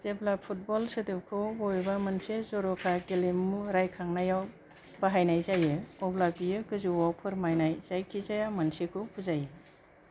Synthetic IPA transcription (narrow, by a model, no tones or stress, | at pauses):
zeblapʰut̚bɔlsedɯp̚kʰubɔjbamɯnsezɔɾɔkʰaɡelemːuɾajkʰaŋnajaw | b̥aɦajnajzajɯɔblapijɯkɯzuwapʰɯɾmajnajz̥ajkʰizajamɐnsekʰupʰuzajɯ